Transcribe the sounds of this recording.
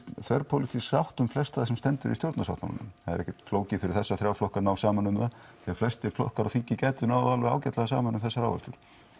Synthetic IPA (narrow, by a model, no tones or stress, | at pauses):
θvɛɾpʰowlit̪ʰisawht̪ʏmflɛst̪aðsɛmst̪ɛnt̪ʏɾisjowɾt̪nas̬a̰wht̪na̰na̰nʏ̰mθaðɛɾɛçcːɛt̪floːwcɪfɪɾɪɾ̥θɛsːaθɾjaːwflɔhkanawsaːmanʏmða | θɛaflɛst̪ɛɾflɔ̰hkaɾawθiɲcɪcɛːt̪ʏnaːwaðalvɛa̰ːwcɛt̪laɣasaːmanʏmθɛsːaɾa̰wvɛ̰st̪ʏɾ̥